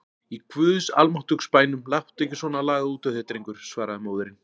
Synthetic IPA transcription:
ikʰvʏðsa̰lmɔht̪ʏkspaːjnʏmlaht̪ɛhcɪsvɔːnalaːɣauːt̪œθɛt̪ɾiŋkʏɾ̥svaːɾaðʏmoːwðʏɾɪn

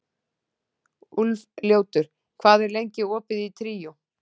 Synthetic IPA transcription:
ulvljoːwt̪ʏɾ̥ | kʰvaːðɛɾlejɲcɪɔːpɪðit̪ʰɾiːjʊ

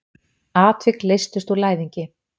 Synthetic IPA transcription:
aːt̪vɪklejst̪ɪst̪ulaːjðiɲcɪ

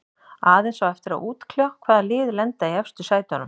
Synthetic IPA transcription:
aːðejnsawɛft̪ɪɾa̰ðuːt̪kʰljakʰvaːðalɪːðlɛnt̪aiɛfst̪ʏsaːjt̪anʏm

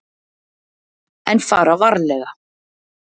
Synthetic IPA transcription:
ɛnfaːɾavaɾlɛɣa

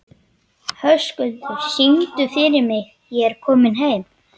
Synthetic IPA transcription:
hœskʏlt̪ʏɾsiŋt̪ʏfɪɾɪɾmɪɣ | jɛɛɾkʰɔːmɪnɦeːjm

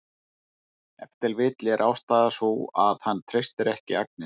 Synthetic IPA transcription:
ɛ̰ft̪ɪlvɪːt̪lɛɾʔaːwst̪aːðasuaðhanːt̪ʰɾejst̪ɪɾɛhcɪak̚nɪ

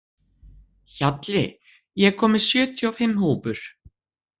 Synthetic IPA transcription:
çat̪lɪ̰ | jɛɣkʰɔːmɪɾ̥sjœːt̪ʰjawfɪmːhuːvʏɾ̥

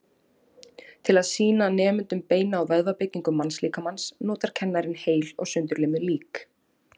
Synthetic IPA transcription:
t̪ʰɪlaðsiːnanɛːmʏnt̪ʏmpeːjnaːwvɛðvapɪcːiŋkʏmːansliːkamansnɔːt̪aɾ̥cʰɛnːaɾɪnheːjlɔ̰ɣsʏnt̪ʏɾleːmɪliːk

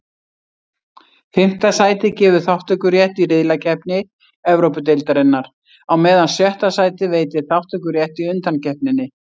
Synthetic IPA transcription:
fɪm̥t̪asaːjt̪ɪcɛːvʏθawht̪œkʏɾjɛht̪iɾɪðlacʰɛhpnɪ | ɛvɾowpʏt̪̬ejlt̪aɾɪnːaɾ̥ | awmɛːðansjɛht̪asaːjt̪ɪveːjt̪ɪ̥θawht̪œkʏɾjɛht̪iʏnt̪ancɛhpnɪnːɪ

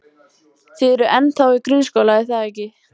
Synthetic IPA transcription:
θɪðɛɾʏʔɛnːθawɪkɾʏnskowlaiθaɛhcːɪ

